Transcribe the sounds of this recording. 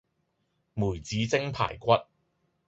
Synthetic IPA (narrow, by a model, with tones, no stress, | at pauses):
muː˨˩jt͡siː˨˧t͡sɪ˥ŋpʰa̰ː˨˩jkʷɐ˦˥t̚